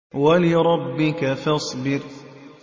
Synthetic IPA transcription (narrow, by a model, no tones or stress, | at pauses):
walɪɾˤɑbːɪkafɑsˤbɪɾ